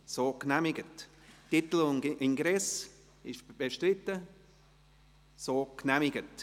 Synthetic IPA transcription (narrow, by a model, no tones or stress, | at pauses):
soːknæmɪɡət | tit̪l̩ʊnɡʔɪŋɡɾɛs | ɪʃb̥eʃtɾɪt̪ːə | soːknɛmɪɡət